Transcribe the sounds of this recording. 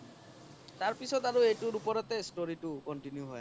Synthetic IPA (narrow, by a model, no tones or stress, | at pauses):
t̪aɾpisʰɔd̪aɾuejʈuɾupɔɾɔt̪esʈoɾiʈukɔnʈinjuɦɔj